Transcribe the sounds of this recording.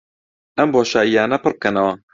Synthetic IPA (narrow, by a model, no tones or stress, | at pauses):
ɐmboːʃaːijaːnɐpɨɾb̚kʰɐnɐwɐ